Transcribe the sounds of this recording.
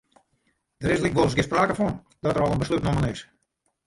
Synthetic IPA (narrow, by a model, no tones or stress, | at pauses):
d̥əɾɪslikʋolˠəsɡɪspraːkəfɔn | dɔtəɾɔlˠənbəslytnomənɪs